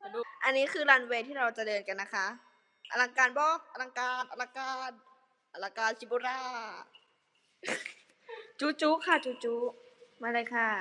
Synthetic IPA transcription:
ʔa˧nːiː˦˥kʰɯː˧laː˧nweː˧t̪ʰiː˥˩ɾa˧wt͡ɕa˨dɤː˧nka˧nːa˦˥kʰa˦˥ʔ | ʔa˧la˧ŋkaː˧nbɔː˧˥˩ʔa˧la˧ŋkaː˧nʔa˧la˧kaː˧n | ʔa˧˩laː˧kaː˧nsʰi˧˩buː˧ɾaː˧˩ | t͡ɕuː˦˥t͡ɕuː˦˥kʰa˥˩t͡ɕuː˦˥t͡ɕuː˦˥maː˧ɾaː˧jkʰa˥˩

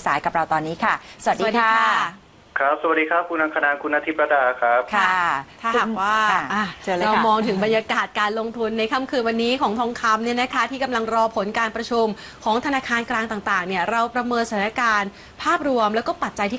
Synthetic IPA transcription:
sa̰ː˩˦jka˨˩p̚ɾa˧wt̪ɔː˧nːiː˦˥kʰa˥˩sa˩a˨˩di˨˩diː˧a˥a˥˩ | kʰɾa˦˥p̚sa˨˩a˩t̚diː˧a˦˥p̚kʰu˧nːʔa˧ŋkʰa˧naː˧nkʰu˧nʔa˧t̪ʰi˦˥pɾa˧daː˧kʰɾa˦˥p̚kʰa˥˩t̪ʰaː˥˩ɦa˨˩k̚waː˥˩a˧˩ʔa˧˩˧ɾa˧mɔː˧ŋt̪ʰɯ˩˦ŋba˧njaː˧kaː˨˩t̪̚kaː˧nlo˧ŋt̪ʰu˧nːa˧jkʰa˦˥˩mkʰɯː˧nwa˧nːiː˦˥kʰɔː˩˦ŋt̪ʰɔː˧˥ŋkʰa˧˥mni˥˩ɐna˦˥kʰa˦˥t̪ʰiː˥˩ka˧mla˧ŋɾɔː˧pʰo˩˦nkaː˧npɾa˧t͡ɕʰu˧m | kʰɔː˩˦ŋt̪ʰa˧naː˧kʰaː˧nklaː˧ŋt̪aː˨˩t̪aː˨˩ŋni˥˩əɾa˧wpɾa˧mɤː˧nsa˧t̪ʰːa˧kaː˧n | pʰaː˥˩p̚ɾu˧əmlɛ˦˥wkɔː˥˩pa˨˩t̪̚t͡ɕa˧jt̪ʰiː˥˩

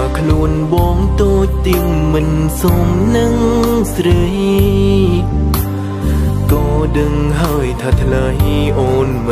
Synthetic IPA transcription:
kʰlu˧ənɓɑː˧ŋt̪oː˧c̚t̪i˧əŋmɨ˧nso˧mnɨ˧ŋsɾə˧j | kɔː˩ɗɨ˧ŋɦaəjt̪ʰaː˧t̪ʰlə˧jʔoː˧nm˩

